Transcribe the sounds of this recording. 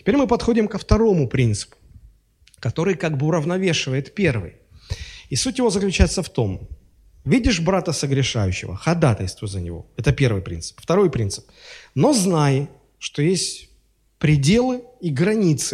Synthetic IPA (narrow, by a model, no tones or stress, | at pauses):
tʲɪ̥pʲeɾʲmɨpɐt̪xodʲɪmkəft̪ɐɾo̞mʊpɾʲint̪sɨ̥pʊ̥ | kɐt̪o̞ɾɨjkaɡbɨʊɾəvnɐvʲe̞ʂɨvəjɪt̪pʲervɨ̰j | isutʲjɪvo̞zəklʲʉt͡ɕæjɪt̪səft̪o̞m | vʲidʲɪʂbɾat̪əsəɡɾʲɪʂa̰jʉɕːɪ̰və̰xɐd̪at̪əlʲst̪vʊzənʲɪ̰vo̞̰ɛt̪əpʲe̞rvɨjpɾʲḭnt̪sɨ̥pft̪ɐɾo̞jpɾʲint̪sɨ̥p̚no̞znajɪ | ʂt̪o̞jesʲtʲ | pɾʲɪdʲe̞lˠɨiɡɾɐnʲit̪sɨ̥